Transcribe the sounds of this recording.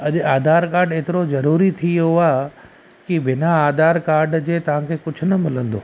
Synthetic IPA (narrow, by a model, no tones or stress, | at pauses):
ɐʄaːd̪aːɾkaːɾɖeːt̪ɪɾozɐɾuːɾit̪ʰijoaː | kibɪnaaːd̪aːɾkaːɾɖd͡ʑeːt̪ɐʋ̤ãkʰeːkʊd͡ʑʱʊnɐmɪlə̃nd̪o̰ː